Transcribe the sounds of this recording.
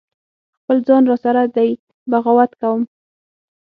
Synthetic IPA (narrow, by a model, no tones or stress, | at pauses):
xpəld͡zɑnɾɑsaɾad̪aj | baɣawat̪kawəm